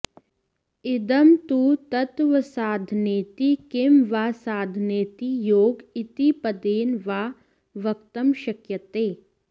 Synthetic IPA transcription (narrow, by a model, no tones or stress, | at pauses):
ɪd̪ɐmt̪ut̪ɐt̪ʋəsaːd̪ʱneːt̪ikɪmʋaːsaːd̪ʱneːt̪ijoːɡɪt̪ipɐd̪eːnʋaː | ʋɐk̚t̪ɐmʃɐkjɐt̪eː